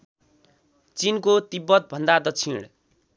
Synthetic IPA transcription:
t͡sinkot̪ibːʌt̪̚bʱʌnd̪ad̪ʌt͡sʰiɽ̃

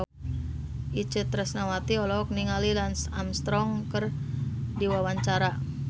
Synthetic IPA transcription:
it͡ʃət̪ɾəsnawat̪iɔlɔk̚niŋalilansamst̪ɾɔŋkərdiwawaɲt͡ʃaɾa

